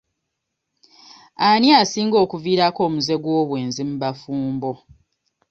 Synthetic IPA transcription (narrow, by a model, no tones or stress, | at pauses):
aniasiːŋɡo̞ːkuviːɾako̞ːmuze̞ɡwo̞ːβwe̞ːnzimuβafuːmbo̞